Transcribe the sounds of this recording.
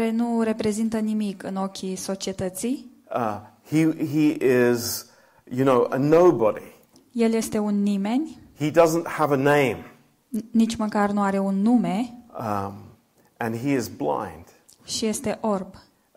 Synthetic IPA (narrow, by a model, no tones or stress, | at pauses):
ɾe̞nure̞pɾe̞zint̪ənimikɨno̞kʲʰiso̞t͡ʃiet̪ət̪sij | hiiʔɪz | jɨnoʊʔə̰noʊbəɾḭ | je̞lje̞st̪e̞unːime̞nʲhidʌzə̃n̩thəvənẽɪ̃m | nit͡ʃʲməkarnuaɾe̞unːume̞ | ʔɨ̃niɪzblã̰ɪ̃nd̥ | ʃije̞st̪e̞ʔo̞rb